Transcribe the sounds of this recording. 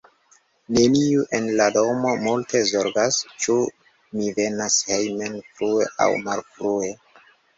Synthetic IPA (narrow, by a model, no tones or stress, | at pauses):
ne̞niuʔenlado̞mo̞multʰe̞zo̞ɾɡast͡ʃu | mive̞nashejmenfɾue̞ʔa̰wmalfɾue